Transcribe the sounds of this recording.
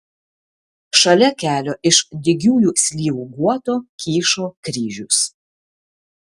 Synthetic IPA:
ʃɐlʲɛkʲæːlʲoːʔɪʃd̪ʲɪɡʲuːjuːsʲlʲiːʋuːɡuɔt̪oːkʲiːʃoːkɾʲiːʒʲʊs

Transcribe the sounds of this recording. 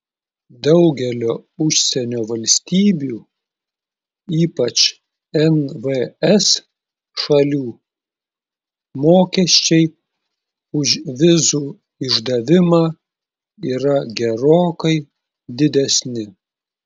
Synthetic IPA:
d̪ɐʊɡʲɛlʲoːʊʃʲsʲɛnʲoːʋɐlʲsʲt̪ʲiːbʲuː | iːpɐt͡ʃ | ɛnʋəɛs | ʃɐlʲuː | moːkʲɛʃʲt͡ʃʲɛɪ | ʊʃʋʲɪzuː | ɪʒd̪ɐʋʲɪmɑː | iːɾɐɡʲɛɾoːkɐɪ | d̪ʲɪd̪ʲɛsʲnʲɪ

